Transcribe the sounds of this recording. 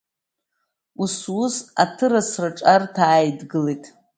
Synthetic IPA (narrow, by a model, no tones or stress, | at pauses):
uswʊsa̰tʰɨɾasraʈ͡ʂʼartʰaːjdɡɨlejtʼ